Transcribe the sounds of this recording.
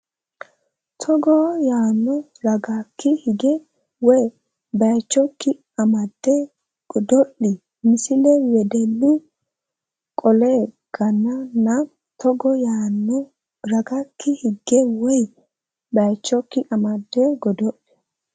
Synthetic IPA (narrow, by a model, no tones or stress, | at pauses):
t̪ʰɔɡɔjaːnːɔ | ɾɐɡakːɪhɪɡɛ | wɔj | bɐjt͡ʃːɔkːɪ | ɐmɐd̪ːɛ | ɡ̥ɔd̪ɔʔːi | mɪsɪlɛwɛd̪ɛlːɪ | kʼɔleɡ̥ɐnːɐnːɐ | t̪ɔɡɔjaːnːɔ | ɾɐɡakʰːɪhɪɡːɛwɔj | bɐjt͡ʃːɔkːɪʔɐmɐd̪ːɛɡɔd̪ɔʔi̥